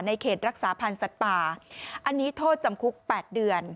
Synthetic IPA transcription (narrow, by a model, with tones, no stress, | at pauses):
na˧jkʰeː˨˩t̪̚ɾa˦˥k̚saː˩˦pʰa˧nsa˨˩t̪̚paː˨˩ʔa˧nːiː˦˥t̪ʰoː˥˩t̪̚t͡ɕa˧mkʰu˦˥k̚pɛː˨˩t̪̚dɯ˧ən